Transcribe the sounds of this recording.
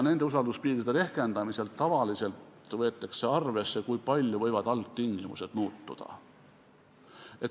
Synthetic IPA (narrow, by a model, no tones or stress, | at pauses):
ne̞nd̪e̞usɑld̪̥uspiːɾid̪e̞ɾe̞hke̞nd̪ɑmise̞ltt̪ːɑvɑlise̞lt̪ | vɤet̪ːˑekse̞ɑrve̞sːe̞kujpɑlʲjovɤjvɑd̪̥ɑlt̪t̪ːiŋɡ̥imṵse̞d̪̥muːt̪ːṵd̪̥ɑ̰ | e̞t̪